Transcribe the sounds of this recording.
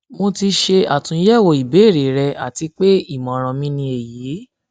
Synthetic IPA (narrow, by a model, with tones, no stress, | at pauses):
mo˧ti˧ʃe˧a˨tũ˨˦jɛ˦˨wo˧˨i˨be˨˦e˦˨ɾe˨ɾɛ˧a˨ti˧k͡pe˦i˦˨mã˨ɾ̃ã˧mĩ˦nĩ˧e˨ji˨˦